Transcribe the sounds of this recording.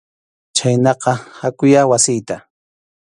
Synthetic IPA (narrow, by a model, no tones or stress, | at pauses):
t͡ʃajnɑqɑhakʊjawasɪjt̪a